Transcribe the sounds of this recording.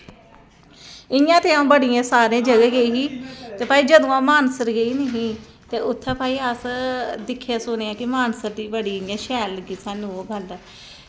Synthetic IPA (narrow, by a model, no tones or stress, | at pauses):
ɪjãːt̪eːãbəɽɪjãːsaːɾẽːd͡ʒəɡeːɡəiːɦiːt̪eːpaːiːd͡ʒəd̪õːãːmaːnsəɾɡəiːnəɦĩː | t̪eːʊt̪ʰːẽːpaːiːəsd̪ɪkʰːaːsʊneːãːkɪmaːnsəɾd̪iːbəɽiːɪãːʃɛːləɡiːsaːnũːobʱəl